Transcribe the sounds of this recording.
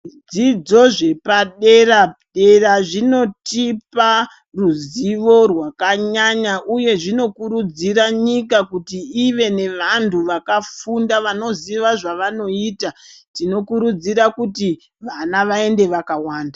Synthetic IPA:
d͡zid͡zo̞ʐe̞paɗe̞raɗe̞raʐino̞tipa | ruziʋo̞rwakaɲaɲaʔuje̞ʐino̞kuɾud͡ziɾaɲikakutiiʋe̞ne̞ʋantʰuʋakafundaʋano̞ziʋaʐaʋano̞iːtatino̞kuɾud͡ziɾakuti | ʋanaʋae̞nde̞ʋakawaːnda

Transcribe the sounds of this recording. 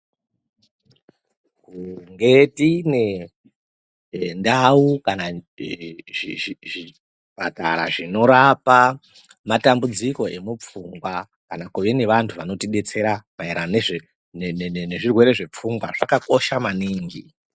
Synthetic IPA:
kuŋɡe̞tine | ndaukana | iiʐi | b̥ʱata̰ɾaʐino̞ɾapa | matambud͡ziko̞e̞mup͡fuŋɡwa | kanakuʋene̞ʋantʰuʋano̞tiɗe̞t͡se̞ɾamaeɾaneʐe | nenneneʐirwe̞ɾe̞ʐe̞p͡fuŋɡwa̰ʐakako̞ʃamaniːŋɡi

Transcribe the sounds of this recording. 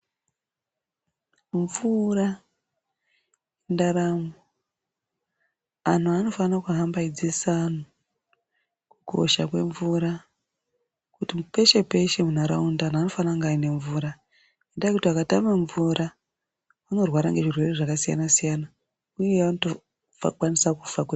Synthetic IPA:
ɱvura | endaɾamo | an̤uano̞fanakuɦambaid͡zisaːn̤u | kukʰo̞̰ʃa̰kwe̞̰ɱvuɾa | kutimpe̞ʃe̞pe̞ʃe̞munaɾa̰undaan̤ano̞fanaŋɡaine̞ɱvuːɾa | indaikutiakatamaɱvuɾʔa | uno̞rwaɾa̰ŋɡe̞ʐirwe̞re̞ʐakasija̰nasijana | ujeʋanoto | fa̰kwanisakufakwe

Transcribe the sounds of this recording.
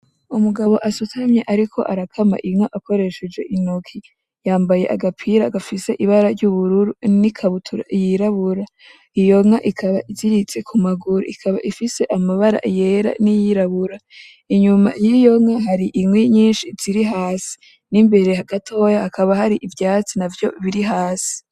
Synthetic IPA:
umuɡaβo̞ʔasutʰamɲeʔaɾikʰo̞̰ʔaɾakʰama̰ʔiŋaʔako̞ɾe̞ʃe̞d͡ʒe̞ʔinokʰi | jaːmbaje̞̰ʔaɡapʰiɾaɡafise̞ʔiβaɾaɾɟuβuɾuɾunikʰaβutʰuɾa̰ijiɾaβuɾa | ijo̞ŋaʔikʰaβaʔiziɾit͡se̞kʰumaɡuɾṵikʰaβa̰ʔifise̞ʔamaβaɾa̰ʔje̞ɾa̰nijiɾaβuɾa | iɲuma̰jijo̞ŋaɦaɾiʔimŋweɲiːnʃiz̥iɾiɦaːsi̥ | nimbe̞ɾe̞haɡatʰo̞ːjahakaβahaɾiʔivjaːt͡sinavjo̞̰βiɾiɦaːsi̥

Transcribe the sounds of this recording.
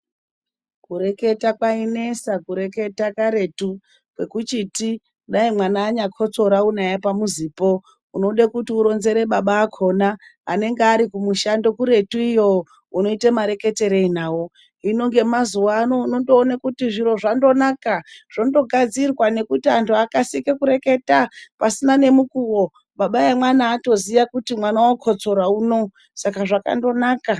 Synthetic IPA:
kuɾe̞ke̞takwaine̞sakuɾe̞ke̞takaɾetu | kwe̞kut͡ʃiti | ɗaimwanaːɲakʰo̞t͡so̞ɾaunajapamuziːpo̞ | uno̞ɗekutiuɾo̞nze̞ɾe̞ɓaɓaːkʰo̞naa̰ne̞ŋɡeaɾikumuʃando̞kuɾe̞tuijo̞ | uno̞itemaɾe̞ke̞te̞ɾe̞inaːwo̞ | ino̞ŋɡe̞mazuwaːno̞uno̞ndo̞ːnakutiʐiɾo̞ʐando̞nakaʐ̥o̞ndo̞ɡʱad͡zirwane̞kutiantʰuakasikekuɾe̞ke̞tapasinane̞mukuwo | ɓaɓajemwanaːto̞zijakutimwanawokʰo̞t͡so̞ɾauno̞ | sakaʐaka̰ndo̞naːka

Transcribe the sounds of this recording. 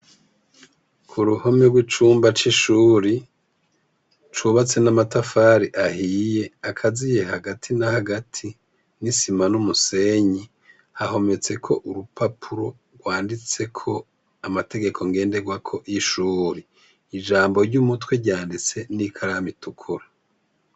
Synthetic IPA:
kʰuɾuhomeɾɡwit͡ʃuːmbat͡ʃiʃuːɾi | t͡ʃuβat͡se̞namatafaːɾiʔahije̞akʰazije̞haɡatʰinahaɡatʰi | nisimanumuse̞ɲi | haho̞me̞t͡se̞kʰo̞ʔuɾupapʰuɾo̞ | ɡwaːndit͡se̞kʰo̞ | amate̞ɡe̞kʰo̞ŋɡe̞ːndeɡwakʰo̞ʔiʃuːɾiː | d͡ʒaːmbo̞ɾɟumutweɾɟaːndit͡se̞nikʰaɾamitukʰuɾa

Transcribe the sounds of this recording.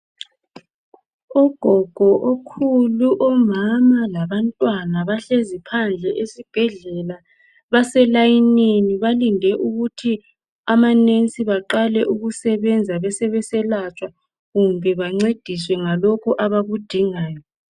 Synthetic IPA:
ɔɡ̥ʱɔɡ̥ʱɔʔokʰuluʔɔmamalaβantʼwanaβaɬezipʰand͡ɮʱɛʔesib̥ʱɛɮɛla | βasɛlajineniβalindʱɛʔuɣutʰi | amanent͡sʼiβaǃalɛʔuɣusɛβɛnd͡zʱaβɛsɛβɛsɛlat͡ʃʼwa | ɣumbʱɛβaŋ͡ǀed̥ʱiswɛŋalɔkʰuʔaβaβud̥ʱiŋaːjɔ

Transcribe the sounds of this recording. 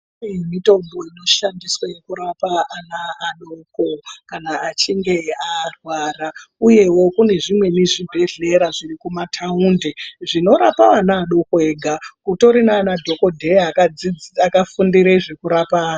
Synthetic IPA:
mitombo̞ino̞ʃandiswajekuɾapaanaːɗokokanaːt͡ʃiŋɡe̞arwaːrauje̞wo̞kune̞ʐimwe̞niʐibʱe̞ɮe̞ɾaʐirikumatʰaundeʐino̞ɾapaʋanaːɗo̞koeːɡʱakuto̞ɾinaːnadʱo̞ko̞dʱe̞akakafundiɾeʐe̞kuɾapaːna

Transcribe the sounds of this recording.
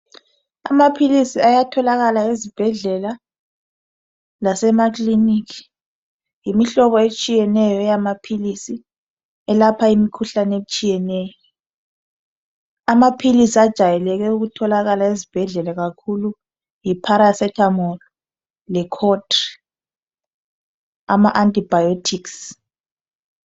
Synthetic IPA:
a̰mapʰilisiajatʰɔlaɣalaizib̥ʱɛɮɛla | lasɛmaklinikʰi̥ | jimiɬɔβɔet͡ʃʼijɛnɛjɔɛjamapʰilisi | ɛlapʰaimikʰuɬanet͡ʃʼijɛnɛjɔ | amapʰilisiad̥ʒ̥ʱajɛlɛk̬ɛuɣutʰɔlaɣalaezib̥ʱɛɮɛlɛɣakʰulu | jipʰaɾasɛtʰamɔlɔ | lɛkʰɔtri | a̰maʔantʼib̥ʱajotʰiks

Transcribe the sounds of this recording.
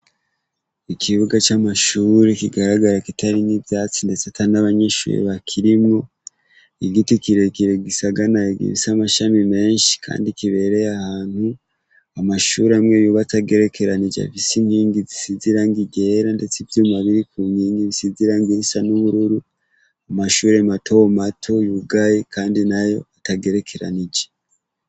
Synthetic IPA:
ikʰiβuɡat͡ʃamaʃuːɾekiɡaɾaɡaɾakitaɾinivjaːt͡sinde̞t͡setanaβaɲeʃṵːɾḛβakʰiɾimŋo̞ | iɡitikiɾe̞kiɾeɡisaɡanaiɡḭɾisamaʃamime̞ːnʃi̥kʰa̰ːndikiβe̞ɾe̞jahaːn̥hu | amaʃuɾemŋeːjuβataɡe̞ɾe̞kʰe̞ɾanid͡ʒa̰fisiŋhiːŋɡizisiziɾaŋɡiɡe̞ːɾande̞t͡sivjumaβiɾikun̥hiːŋɡiβisiziɾaŋɡiɾisanuβuɾuɾu | amaʃuːɾematʰo̞omatʰo̞juɡajikʰaːndinajo̞̰ataɡe̞ɾe̞kʰe̞ɾa̰nid͡ʒe̥

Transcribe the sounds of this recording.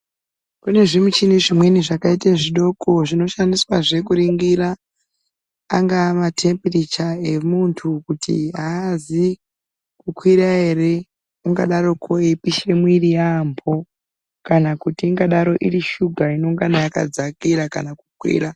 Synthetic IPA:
kune̞ʐimut͡ʃineʐimwe̞niʐakaiteʐiɗo̞ko̞ʐino̞ʃandiswaʐe̞kuɾiŋɡiɾa | ŋɡamatʰe̞mpirit͡ʃae̞muntʰukutḭaːzi | kukwiɾae̞re̞ | uŋɡaɗaɾo̞kʰoipiʃe̞mwirijampʰo̞ | kanakutiːŋɡaɗaɾo̞ʔiɾiʃuɡʱaino̞ŋɡanajaka̰d͡zakiɾaka̰naku̥kwḭːɾa

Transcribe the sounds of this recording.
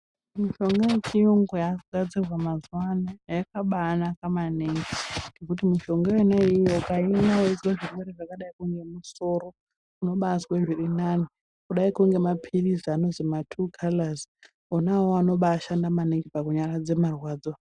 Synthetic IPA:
miʃo̞ŋɡajet͡ʃijuŋɡojakɡʱad͡zirwamazwanajakaɓaːnakamaneŋɡinekutimiʃo̞ŋɡaenaijoukainaoizwaʐirweɾeʐakaɗaikuŋɡe̞muso̞ːɾo | kuno̞ɓaːzweʐirinani | kuɗaikuŋɡe̞mapʰiriziano̞zimatʰukʰalaz | onawoano̞ɓaːʃandamaneŋɡipakuɲaɾad͡ze̞marwaːd͡zo

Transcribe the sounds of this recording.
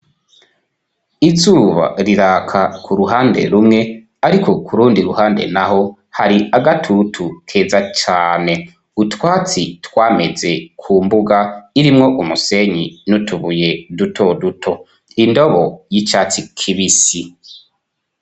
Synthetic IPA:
izuːβa̰ɾiɾaːkʰakʰuɾuɦaːnde̞̰ɾumŋe̞ | aɾikʰo̞kuɾuːndiɾuhaːnde̞̰naho̞ | haɾiaɡatʰutʰukʰe̞ːzat͡ʃaːne̞ | utwaːt͡sitwaːme̞ze̞kʰuːmbuɡaiɾimŋo̞ʔumuse̞ɲinutʰuβuje̞dutʰo̞dutʰo̞ | indo̞βo̞jit͡ʃaːt͡sikʰiβisi

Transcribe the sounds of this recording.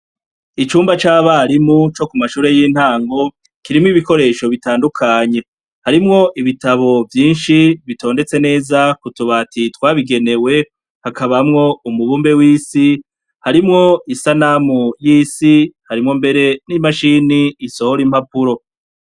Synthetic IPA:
it͡ʃuːmbat͡ʃaːβaɾimut͡ʃo̞kumaʃuːɾe̞jiːn̥haːŋɡo̞ | kiɾimŋiβiko̞ɾe̞ːʃo̞βitaːndukʰaːɲe̞ | haɾimŋo̞ʔiβitaβo̞vjiːnʃiβitʰo̞ːnde̞t͡se̞ne̞ːzakutuβaːtitwaːβiɡe̞ne̞we̞ | hakaβamŋo̞umuβuːmbe̞wiːsi | haɾimŋo̞isanamujiːsihaɾimŋo̞mbe̞ɾe̞nimaʃiːniːso̞hoɾim̥hapuɾo̞

